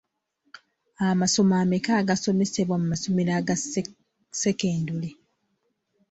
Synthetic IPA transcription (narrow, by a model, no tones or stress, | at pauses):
amaso̞maːmekaːɡaso̞me̞seβwamumasomiɾaɡ | seke̞ːndule